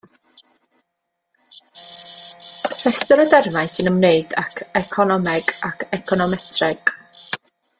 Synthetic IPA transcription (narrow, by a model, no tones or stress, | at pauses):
r̥ɛstɔɾədɛrvajnsɨnəmneɨdakʰɛkʰɔnɔmɛɡ̥akʰɛkʰɔnɔmɛtʰrɛɡ̥